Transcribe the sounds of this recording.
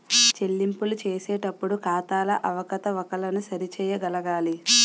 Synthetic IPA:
t͡ʃe̞lːimpulut͡ʃeːsɛːʈɐpːuɽukaːt̪aːlɐʔɐʋɐkɐt̪ɐʋɐkɐlɐnusɐɾit͡ʃɛːjɐɡɐlɐɡaːli

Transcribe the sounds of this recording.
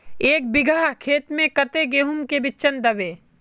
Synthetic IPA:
eːk̚bɪɡʱaːɦkʰeːt̪mẽkɐt̪eɡeːɦʊmkebɪtːʃənd̪ɐʋeː

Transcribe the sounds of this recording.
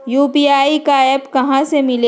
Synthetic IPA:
juːpiaːikaebkɐɦãsemɪle

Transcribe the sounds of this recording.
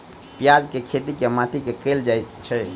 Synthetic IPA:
pjad͡ʒkekʰet̪ikemat̪ʰikekəld͡ʒajt͡ʃʰə

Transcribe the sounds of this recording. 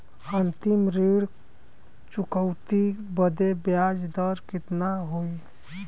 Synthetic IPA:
ənt̪ɪmɾiɽ | t͡ʃʊkəwt̪ibəd̪ebjad͡ʒd̪əɾkɪt̪naɦoi

